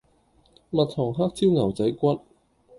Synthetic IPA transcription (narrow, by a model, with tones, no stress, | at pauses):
mɐ˨t̚t̪ʰɔː˨˩ŋɦaː˥k̚t͡siː˥wŋɐ˨˩wt͡sɐ˨˥jkʷɐ˥t̚